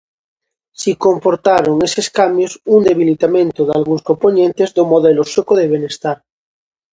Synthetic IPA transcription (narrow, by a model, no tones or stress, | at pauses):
sikompoɾt̪aɾoŋeseskambjosund̪e̞βilit̪amẽnt̪oðalɣuŋskomponẽnt̪ezðomoðelosukoðeβenest̪aɾ